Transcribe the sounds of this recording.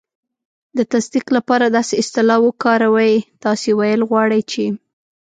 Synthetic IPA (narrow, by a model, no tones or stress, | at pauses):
d̪ət̪asd̪iqlapɑɾad̪ɑseɪst̪ɪlɑwəkɑɾawajt̪ɑsewajəlɣwɑɽəjt͡ʃe